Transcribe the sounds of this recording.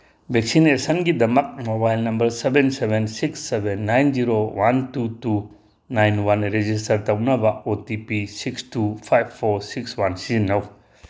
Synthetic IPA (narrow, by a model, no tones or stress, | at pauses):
bʱek̚sinesɐnɡidɐmɐk̚mobajlnɐmbɐɾsebensebensiksːebenːajnziɾowantutu | najnwanɾed͡ʒistɐɾtɐwnɐbɐotipisikstupʰajbʰoɾsikswansinɐw